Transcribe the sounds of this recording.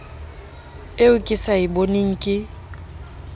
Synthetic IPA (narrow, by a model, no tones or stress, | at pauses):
eʊkʼɪsaɪboneŋ̩kʼɪ